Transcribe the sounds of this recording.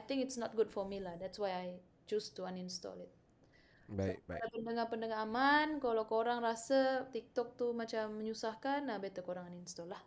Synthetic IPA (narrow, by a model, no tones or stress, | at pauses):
ajt̪ɪ̃ŋkɪtsnɔt̪̚ɡudfɔmilahdɛtswajaj | t͡ʃustuaninst̪ɔ̰lɪt̪̚ | baapəndəŋapəndəŋaɦamankalawkoɾaŋɾasat̪ik̚t̪ɔk̚t̪umat͡ʃamːəɲusahkanabet̪əkoɾaŋaninst̪ɔlah